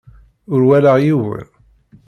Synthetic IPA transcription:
ʊɾwæləʁjivæ̰

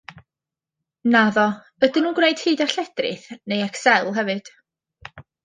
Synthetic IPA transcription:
naðɔ | ədɪnuːnɡwneɨd̥hɨːdaɬɛd̥rɨ̰θnejɛksɛlˠɦɛvɨd̥

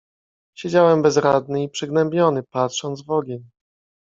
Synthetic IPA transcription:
ɕed͡ʑawɛmbɛzɾad̪nɘipʂɘɡnɛmbʲɲɔnɘpatʂɔnd̪zvɔɡʲɛɲ

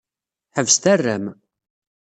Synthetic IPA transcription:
ħəvst̪ærːæm

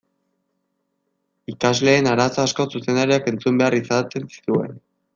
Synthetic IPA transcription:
ikazle̞ːnaɾasoasko̞suse̞nd̪aɾiake̞nt͡sumbe̞arisat͡s̪ensi̥t̪ue̞̰n

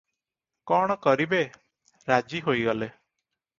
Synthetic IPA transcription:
kɔɽ̃ɔkɔɾibe | ɾad͡ʒiɦojɡɔle

